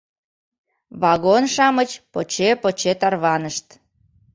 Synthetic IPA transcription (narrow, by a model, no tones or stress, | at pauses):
βɑɣonʃɑmət͡ɕpot͡ɕepot͡ɕet̪ɑrβɑnəʃt̪